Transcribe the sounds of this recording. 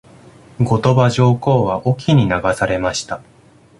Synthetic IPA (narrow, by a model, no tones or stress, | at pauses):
ɡo̞t̪o̞baʑo̞ːko̞ːβaʔokʲiɲ̟inaɡasaɾe̞maɕi̥t̪a